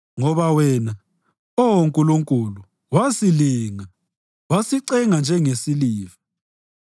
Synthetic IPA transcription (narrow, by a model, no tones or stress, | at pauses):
ŋɔβawɛːna | oŋkʼuluŋkʼulu | wasiliːŋa | wasiǀɛŋand͡ʒʱɛŋesiliːvḁ